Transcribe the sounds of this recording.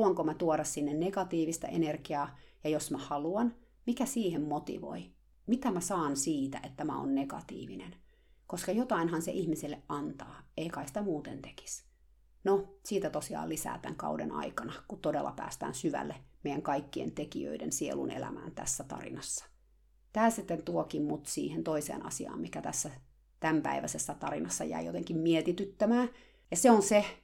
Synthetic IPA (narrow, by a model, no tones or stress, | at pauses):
uɑŋkomæt̪uoɾɑssinːenneɡɑt̪iːʋist̪ɑ̰ʔenerkiɑːjɑjosmæhɑluɑn | mikæsiːhemmot̪ḭʋo̰i | mit̪æmæsɑːnsiːt̪æ̰ʔet̪ːæmæ̰o̰nːeɡ̥ɑ̰t̪ḭːʋinen | koskɑjot̪ɑinhɑnsḛʔihmisilːeʔʔɑnt̪ɑːeikɑisi̥t̪æmuːt̪ent̪e̥ki̥s | nosiːt̪æt̪osiɑ̰ːlisæ̰ːt̪æŋkɑudḛnɑ̰ikɑnɑkut̪t̪odelːɑ̰pæ̰ːst̪æ̰ːnsyʋæ̰lːemejæŋkɑikːiḛnt̪ekiø̰idensielṵnḛlæ̰mæ̰ːnt̪æ̰sːæt̪ɑ̰rḭnɑsːɑ̥ | t̪æːsit̪ːent̪uokimmut̪siːhent̪oisḛːnɑ̰siɑ̰ːmmikæt̪æsːæ | t̪æmpæ̰iʋæsesːæt̪ɑrinɑsːɑjæ̰ijot̪eŋkimmiet̪it̪yt̪ːæmæː | jɑseonse